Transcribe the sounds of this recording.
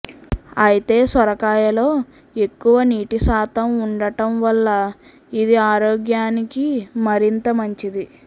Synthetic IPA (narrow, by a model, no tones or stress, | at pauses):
ɐjit̪e̞ːsʋɐɾɐkaːjɐlo̞ː | e̞kːuʋɐniːʈisaːt̪ʰɐmuɳɖɐʈɐmʋɐlːɐ | id̪iaːɾoːɡjaːnikimɐɾint̪ɐmɐɲt͡ʃid̪i